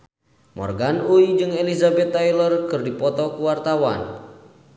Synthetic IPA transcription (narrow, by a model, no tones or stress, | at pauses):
mɔ̰rɡanuid͡ʒɨŋelizabɛt̪ːajlərkɨrdipɔt̪ɔkuwart̪awa̰n